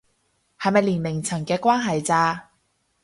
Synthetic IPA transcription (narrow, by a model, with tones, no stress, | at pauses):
hɐ˨jmɐ˨jliː˨˩nlɪ˨˩ŋt͡sʰɐ˨˩ŋkɛː˧kwaː˥nɦɐ˨jt͡saː˧